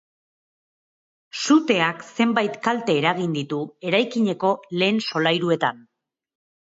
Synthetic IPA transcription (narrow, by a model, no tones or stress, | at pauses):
sut̪e̞akse̞mbajt̪kalt̪e̞ːɾaɣ̞ind̪it̪ue̞ɾajkiɲe̞ko̞le̞ːnso̞lajɾue̞t̪an